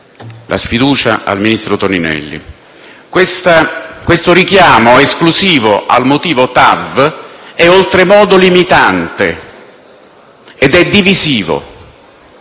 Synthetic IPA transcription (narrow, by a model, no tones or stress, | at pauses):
lʔa̰sfid̪uːt͡ʃa̰ʔa̰lminist̪ɾot̪oninɛ̰lːḭ | kwest̪akwest̪oɾik̟jaːmoeskluziːvoʔa̰lmot̪iːvot̪av | ɛolt̪ɾemɔːd̪olimit̪ant̪e | ed̪ɛd̪ːiviziːvo̰